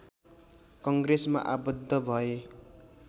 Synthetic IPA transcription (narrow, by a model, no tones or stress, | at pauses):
kʌŋɡresma̰ʔabʌd̪ʱːʌbʱʌe